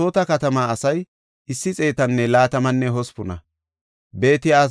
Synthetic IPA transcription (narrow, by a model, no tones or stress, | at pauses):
o̞ːt̪ɐkɐt̪ɐmaɐsɐj | ɪsːɪt͡sʼe̞ːt̪ɐnːɛlaːt̪ɐmɐnːɛɦɔspʊnɐ̰ | be̞ːt̪ɪjaː